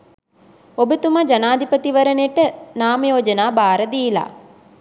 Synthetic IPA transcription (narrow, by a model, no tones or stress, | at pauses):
obət̪umad͡ʒanaːd̪ʱipət̪iʋɐɾənjeʈənaːməjoːd͡ʒənaːbaːɾəd̪iːla̰ː